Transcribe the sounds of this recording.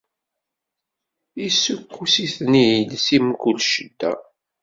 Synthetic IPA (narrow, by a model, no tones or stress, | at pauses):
isukːusiθnijilsimkulʃəd̪ːæ̰